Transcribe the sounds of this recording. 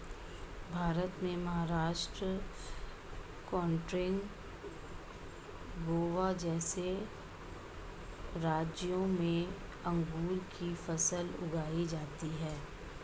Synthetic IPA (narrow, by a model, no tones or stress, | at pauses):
bʱaːɾət̪mẽmɐɦaɾaːʃʈɾə | kɔːɳʈɾɪ̃ŋɡ | ɡoːʋad͡ʒɛːse | ɾaːd͡ʒõmẽ | ɐ̃ŋɡuːlkifɐsəlʊ̰ɡʱaːid͡ʒaːt̪iɦɛː